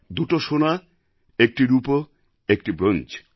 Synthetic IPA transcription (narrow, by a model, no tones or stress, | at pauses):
d̪uʈoʃona | ek̚ʈiɾupo | ek̚ʈibɾond͡ʑ